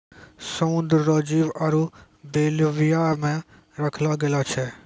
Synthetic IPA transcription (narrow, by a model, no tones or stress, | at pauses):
səmʊ̃nd̪ɾːɔːd͡ʒiːʋɐɾu | beːlʋɪjamẽ | ɾəkʰlaɡelat͡ʃʰɛː